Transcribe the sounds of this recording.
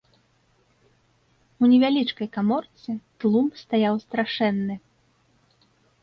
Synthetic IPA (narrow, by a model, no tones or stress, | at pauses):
unʲɛvʲalʲit͡ʂkɐjkamɔrt̪sɨt̪lˠumst̪ajawst̪ɾaʂɛnːɨ